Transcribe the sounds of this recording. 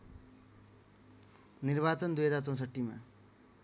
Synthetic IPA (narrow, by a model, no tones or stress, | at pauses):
nirbat͡sʌnd̪ujɦʌd͡zart͡sʌ̃w̃sʌʈːima̰